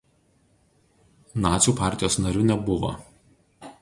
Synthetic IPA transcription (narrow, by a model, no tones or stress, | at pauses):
nɑːt̪sʲuːˑpɑˑɾʲt̪ʲɪjoːsnɐɾʲʊnʲɛbʊʋo̰